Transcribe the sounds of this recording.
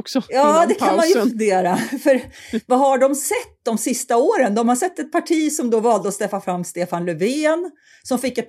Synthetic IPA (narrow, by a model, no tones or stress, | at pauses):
sjɑːdd̪ɛkʰanmanjəfɵnd̪eːɾafœɾvaɦaɖɔmsɛt̪ːd̪ɔmsɪst̪aoːɾənd̪ɔmhasɛt̪ːɛt̪̚pʰaʈʰiːsɔmd̪oːvɑːld̪əɔst̪ɛfːafɾamːst̪eːfanlɵvɪːn | sɔmfɪkːɛt̪̚